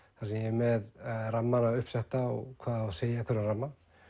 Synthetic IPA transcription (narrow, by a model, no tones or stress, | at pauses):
θaɾsɛjɛmɛðramːanaʏhpsɛht̪aɔ̰ɣkʰvaːðaseːjakʰvɛɾʏnramːa